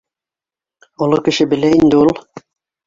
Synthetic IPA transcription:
ŏlˠokɘ̆ʃɘbɘ̆læind̪ɘulˠ

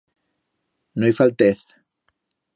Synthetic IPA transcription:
nojfalt̪eθ

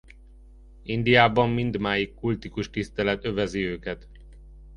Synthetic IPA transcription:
ind̪ijaːbɒmːind̪maːjikːult̪ikuʃt̪ist̪ɛlɛt̪ø̞vɛziøːkɛt̪

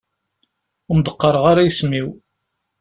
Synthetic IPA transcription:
md̪əqːɑɾˤəʁaɾajsmiw

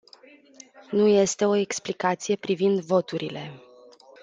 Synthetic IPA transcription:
nuje̞st̪e̞o̞e̞ksplikat̪sije̞pɾivind̪vo̞t̪uɾile̞

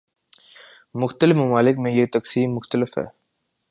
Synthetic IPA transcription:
mʊxt̪əlɪfmɐmaːlɪkmẽjet̪ɐksiːmːʊxt̪əlɪfɦɛ̰ː

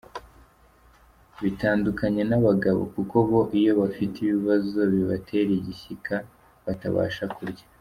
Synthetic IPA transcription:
βitaːndukaɲe̞naβaɡaβo̰kuko̞βo̞ʔijo̞βafitiβiβazo̞βiβatʰe̞ɾiɟiçikʰa | βata̰βa̰ːʃakuɾɟḁ

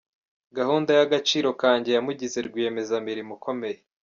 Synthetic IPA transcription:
ɡahuːndajaɡat͡ʃiːɾo̞kaːɲɟe̞jamuɟize̞ɾɡwieme̞zamiɾimukʰo̞me̞je

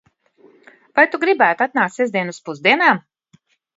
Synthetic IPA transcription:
vajt̪uɡɾibæːt̪at̪naːkt̪sɛzd̪iɛnuspuzd̪iɛnaːm

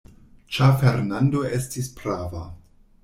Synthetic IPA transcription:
t͡ʃafeɾnando̞e̞stispɾava

